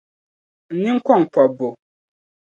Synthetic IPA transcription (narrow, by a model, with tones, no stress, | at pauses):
n̩˨˦nĩ˦ŋ̩˦kʰʷɔ˦˨ŋ̩˨pʰɔ˨bo˨